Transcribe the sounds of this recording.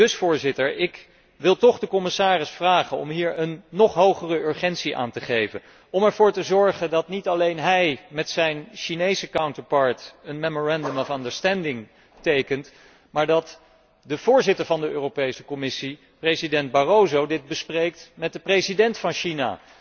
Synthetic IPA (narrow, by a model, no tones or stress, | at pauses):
dɵsfʊːɹzɪtəɹɪk | ʋɪlˠtɔχdəkɔmɪsaːrɪsfraːχənɔ̰mɦiːɹənːɔχɦowχərəʏɹχɛntsiʔa̰ːntəχejvə̰n | ɔmɛɹv̥ʊːɹtəzɔɹχəndɑtnitɑlejnɦɛjmɛtsɛjnʃinejsəkawntəɹpɑɹtənmɛmoɹɛndəmɔfandəɹstɛndɪŋ | tejkənt | maːɹdɑt | dəv̥ʊːɹzɪtəɹvɑndəøːropejsəkɔmɪsi | prezidɛndbarowzowdɪd̚bəsprejk̚tmɛt̚dəprejzidɛntfɑnʃina̰ː